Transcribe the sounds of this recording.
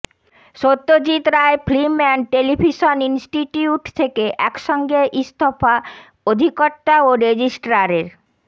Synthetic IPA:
ʃot̪ːod͡ʑit̪ɾaeflimɛnʈelibʱiʃoninsʈiʈiuʈt̪ʰekeʔɛkʃɔŋɡeʔist̪ʰofa | od̪ʱikɔʈːaoɾed͡ʑisʈɾaɾeɾ

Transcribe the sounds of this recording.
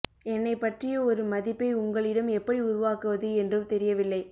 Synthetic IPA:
ɛnːɐɪpːɐʈrɪjɐɔɾɯmɐðɪpːɐɪʊŋɡɐɭɪɽɐmɛpːɐɽiʊɾʊʋaːkɯʋɐðɯɛndrɯmt̪ɛɾɪjɐʋɪlːɐɪ

